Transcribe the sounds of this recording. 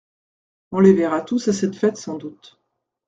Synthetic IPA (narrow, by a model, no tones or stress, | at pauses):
ɔ̃levɛʁat̪usasɛt̪fɛt̪sɑ̃d̪ut̪